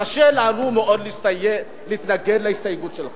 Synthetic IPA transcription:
aʃelaːnumeʔo̞d̪list | liːt̪naɡedlaist̪ajeɡutʃel

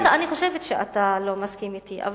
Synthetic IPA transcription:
d̪aaniχoʃevet̪ʃea̰t̪alo̞maskimit̪iʔa̰v

